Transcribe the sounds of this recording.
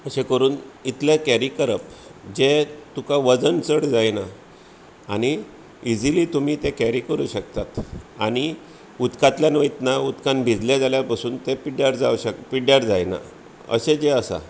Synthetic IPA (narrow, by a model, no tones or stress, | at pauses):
əɕekəɾuːnit̪ljãkæɾikəɾəpd͡ʑet̪ukãʋəd͡zənt͡səɽd͡zajna | añi | id͡ziliːt̪um̤iːt̪ekæɾikəɾṵːɕək̚t̪at̪aɽ̃i | ut̪kãt̪ljãnʋəit̪naut̪kãnbʱid͡zled͡zaljapasuːnt̪epiɽjaɾd͡zauɕəkpiɽjaɾd͡zajna̰ | ə̰ɕed͡ʑeəsa̰